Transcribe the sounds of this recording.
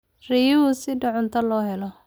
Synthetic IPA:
rijʊʊsɪɖɐʕʊnt̪ʰɐlɔːɦɛlɔ

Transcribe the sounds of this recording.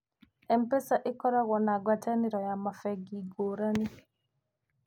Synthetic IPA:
ɛmpɛsaʔɪkɔɾaɣɔnaɡwataniɾɔjamafɛɡiɡoɾani

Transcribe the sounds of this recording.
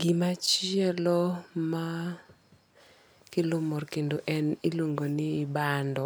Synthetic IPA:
ɡimat͡ʃɪɛlɔma | kɪlomɔrkendoʔɛnilwoŋɡonɪːbandɔ

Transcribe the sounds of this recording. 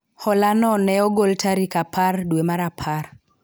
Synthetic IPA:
hɔlanɔnɛɔɡoltaɾikapʰardwemaɾapʰar

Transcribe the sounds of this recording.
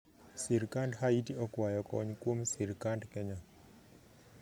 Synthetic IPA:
siɾkandɦaitiɔkwajɔkɔ̰ɲkwomsiɾkandkɛɲa

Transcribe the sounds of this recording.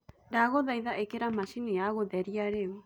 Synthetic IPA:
ɾaɣoðajðaʔekeɾamaʃiniaɣoðɛɾiaɾew

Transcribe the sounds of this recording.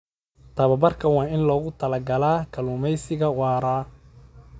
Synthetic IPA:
t̪ʰɐβɐbɐrkʰɐwɑːɪnlɔːɣʊt̪ʰɐlɐɡɐlaːkʰɐlʊːmɛjsɪɣɐwɑːɾaː

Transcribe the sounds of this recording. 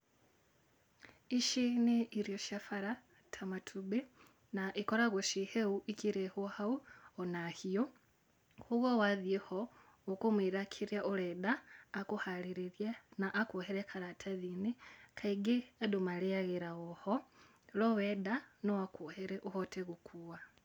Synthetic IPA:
iʃiniiɾjoʃafaɾa | tʰamatʰube | naʔikoɾaɣoʃiheuʔikiɾehuhauonahijo | huɣowaðjeho | ukumwiɾakʰiɾjaʔuledaːkuhaliɾiɾjanaʔːkuɦeɾekʰaɾatʰaðinikʰaiɡiedumalejaɣeɾaɣoho | lowedanowakuheɾeʔuhoteɣukʰuwa

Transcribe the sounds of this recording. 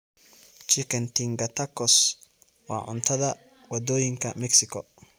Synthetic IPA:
t͡ʃɪkɛnt̪iŋɡɐt̪ɐkːɔs | wa̰ːʕʊ̰nt̪ɐðɐ | wɐd̪ːoːjɪŋkɐmɛksɪkɔ

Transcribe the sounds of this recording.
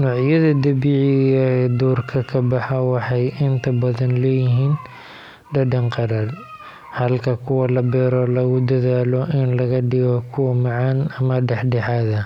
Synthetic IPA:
nɔːʕjɐðɐd̪ɐbiːʕɪɣɐɛd̪uːrkʰɐkʰɐbɑħɐwɑħɑjʔɪnt̪ʰɐbɐðɐnlɛːjɪɦiːn | ɖɐɖɐnqɑɾaːd̪ | hɐlkʰɐkʰʊwɐlɐbɛːɾɔlɐɣʊd̪ɐðaːlɔʔɪnlɐɣɐɖɪɣɔkʰʊwɐmɑʕɑːnɐmɐɖɛħɖɛħaːðɐ

